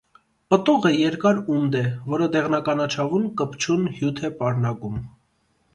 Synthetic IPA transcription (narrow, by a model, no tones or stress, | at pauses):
pət̪uʁəjɛɾkɑɾumd̪ɛvɔɾəd̪ɛʁnɑkɑnɑt͡ʃʰɑvunkəpt͡ʃʰunhjut̪ʰɛpɑɾnɑkum